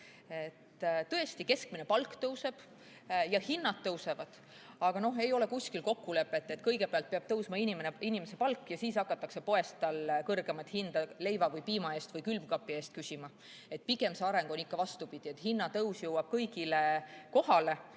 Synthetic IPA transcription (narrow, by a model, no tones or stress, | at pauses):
e̞t̪ːt̪ɤ̞e̞st̪ike̞skmine̞pɑlkːt̪ɤwse̞b̥ | jɑhinːɑt̪ːɤwse̞vɑd̪̥ | ɑɡ̥ɑno̞ɦe̞jo̞le̞kusʲkilko̞kːule̞pːˑe̞t̪ːˑe̞t̪kɤjɡ̥e̞peɑlt̪̚peɑb̥̚t̪ɤwsmɑinimeneinimese̞pɑlkːˑjɑsiːsɑkːɑt̪ːˑɑkse̞po̞e̞st̪ːɑlkɤrɡe̞mɑt̪ːˑhind̪̥ɑle̞jvɑvɤjpiːmɑe̞ːst̪vɤjkylvkɑpːˑie̞ːst̪̚kysimɑ | e̞t̪̚piɡe̞mseɑɾe̞ŋɡ̥o̞nikːɑvɑst̪upid̪̥ie̞t̪hinːɑt̪ɤwsjɤwɑb̥kɤjɡ̥ile̞ko̞hɑle̞